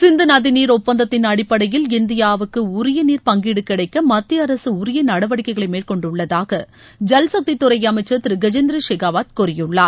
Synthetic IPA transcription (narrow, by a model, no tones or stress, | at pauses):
sɪnd̪ɯnaðɪniːɾʊpːɐnd̪ɐt̪ːɪnɐɽɪpːɐɽɐjɪlɪnd̪ɪjaːʋɯkːɯʊɾɪjɐniːɾpɐŋɡɪɽɯkːɪɽɐɪkːɐmɐt̪ːɪɐɾɐsɯʊɾɪjɐnɐɽɐʋɐɽɪkːɐɪɣɐɭɐmeːɾkɔɳɖʊɭːɐðaːɣɐ | d͡ʒɐlsɐk̚t̪it̪ːʊɾɐɪjɐmɐɪt͡ʃːɐt̪ɪɾɪɡɐd͡ʒɛnd̪ɾɐʂɛɡaːʋaːt̪̚kʊɾɪjɯɭːaːɾ